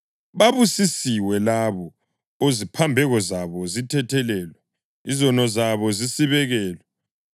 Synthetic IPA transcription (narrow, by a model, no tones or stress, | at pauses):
βaβusisiwɛlaβɔ | ozipʰambʱɛɣɔzaβɔzitʰɛtʰɛlɛːlwɛ | izɔnɔzaβɔzisiβɛɣɛːlwɛ